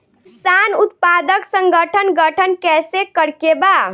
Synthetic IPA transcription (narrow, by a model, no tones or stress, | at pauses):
kisanut̪pad̪əksəŋɡəʈʰənɡəʈʰənkɛsekəɾkeba